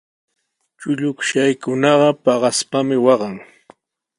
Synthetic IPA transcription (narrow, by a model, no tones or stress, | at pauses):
t͡ʃʊʎʊkʃajkʊnɑɢɑpɑɢɑspamɪwɑɢɑŋ